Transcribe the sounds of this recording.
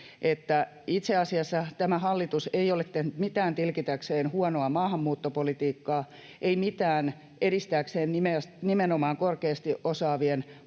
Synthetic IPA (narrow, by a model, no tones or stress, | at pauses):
ʔet̪ːæ | it̪seɑsiɑsːɑt̪æmæhɑlːit̪useiolet̪t̪ehnyt̪mit̪æːnt̪ilkit̪ækseːnhuɑnoɑmɑːhɑmːuːt̪ːopolit̪iːkːɑː | eimit̪æːn | eɾist̪ækseːnnimesnimenomɑːŋkorkeːst̪iʔosɑːʋien